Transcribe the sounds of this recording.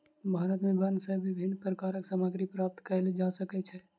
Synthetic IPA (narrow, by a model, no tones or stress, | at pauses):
bʱaɾət̪mẽbənsẽbibʱinpɾəkaɾəksaməɡɾipɾap̚t̪kəled͡ʒasəkɛt͡ʃʰɛ